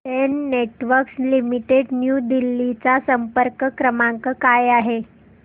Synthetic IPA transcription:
enːeʈʋəɾkslimiʈeɖnjud̪ilːit͡sasəmpəɾkəkɾəmaŋkəkajaɦe

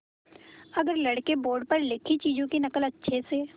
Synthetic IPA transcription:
ɐɡəɾlɐɽkeboːɾɖ̚pɐɾlɪkʰit͡ʃiːd͡ʒõkinɐkəlɐtːʃʰeseː

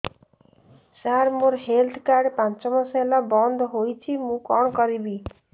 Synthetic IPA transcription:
saɾmoɾɦelt̪ʰkaɾɖpant͡ʃɔmɔselabɔnd̪ʱɔɦojt͡ʃʰimũkɔɽ̃ɔkɔɾibi

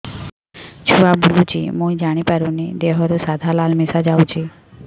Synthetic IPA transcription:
t͡ʃʰuabulut͡ʃʰḭmũid͡ʒaɽ̃ipaɾũnid̪eɦɔɾusad̪ʱalalmisad͡ʒawt͡ʃʰi

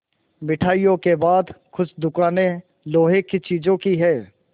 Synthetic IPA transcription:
mɪʈʰaːijõkebaːd̪xʰʊsd̪ʊkaːnẽ | loːɦekːt͡ʃiːd͡ʒõkiɦɛː

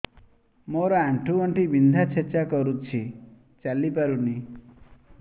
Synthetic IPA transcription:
moɾɔaɳʈʰuɔɳʈibind̪ʱat͡ʃʰet͡ʃakɔɾut͡ʃʰi | t͡ʃalipaɾuni

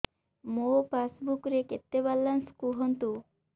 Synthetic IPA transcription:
mopasbukɾeket̪ːebalːanskuɦɔnt̪u

